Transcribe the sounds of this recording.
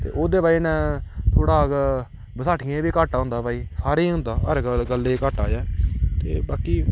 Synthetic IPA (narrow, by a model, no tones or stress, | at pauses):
t̪ḛːʔoːd̪eːbaːiːnɛ̃ːt̪ʰoːɽaːk | bəsaːʈʰɪẽːbiːkaːʈaːʊ̃ːnd̪aːbaːiːsaːɾeːɦʊ̃nd̪aːəɾɡəlːeːkaːʈaːjaːt̪ḛːbaːkiː